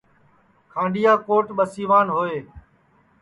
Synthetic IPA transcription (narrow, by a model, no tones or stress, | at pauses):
kʰãːɳɖijaːkoːʈɓəsiːʋaːnɦoːeː